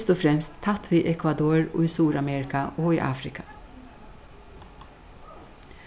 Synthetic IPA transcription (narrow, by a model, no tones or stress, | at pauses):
st̪ɔfɾɛmst̪ʰːɑt̪ʋiːʔɛkʰʋɑd̪oːɹo̰ːiːsuːɾɑmɛːɾɪkɑʔoːiːʔɑ̰ːfɾɪkʰɑ̥